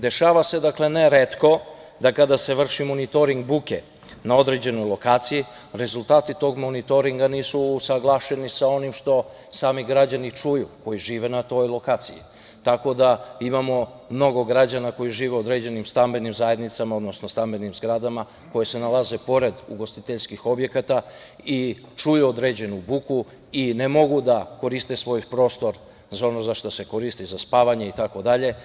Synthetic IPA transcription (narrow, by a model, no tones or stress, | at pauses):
d̪e̞ʃaːʋase̞d̪akle̞ne̞ɾet̪ko̞d̪akad̪ase̞ʋr̩ʃimo̞nit̪o̞ɾiŋɡ̚bukḛ | nao̞d̪ɾe̞d͡ʑe̞no̞jlˠo̞kaːt̪siji | ɾe̞zult̪aːt̪it̪o̞ɡmonit̪o̞ɾiŋɡaniːsuːsaɡlˠaːʃe̞nisao̞nimʃt̪o̞ | saːmiɡɾad͡ʑanit͡ʂujuko̞jiʒiːʋe̞nat̪o̞jlˠo̞kaːt̪sijḭ | t̪ako̞d̪aimamo̞ | mno̞ɡo̞ɡɾad͡ʑanako̞jiʒiːʋeo̞d̪ɾe̞d͡ʑe̞nimst̪ambe̞nimzaje̞d̪nit̪samao̞d̪no̞snost̪ambe̞nimzɡɾad̪ama | ko̞je̞se̞nalaze̞po̞ɾe̞d̪ṵɡo̞st̪it̪eʎskixo̞bje̞kat̪a | i | t͡ʃujuod̪ɾe̞ːd͡ʑe̞nubuku | inemo̞ɡud̪ako̞ɾist̪e̞sʋo̞jpɾo̞ːst̪o̞ɾ | zao̞no̞zaʃt̪ose̞ko̞ɾist̪izaspaːʋaɲe̞it̪ako̞d̪aʎe̞